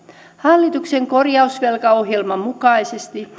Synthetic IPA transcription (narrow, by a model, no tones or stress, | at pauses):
hɑlːit̪ukseŋko̞rjɑusʋelkɑo̞ɦjelmɑmukɑisest̪i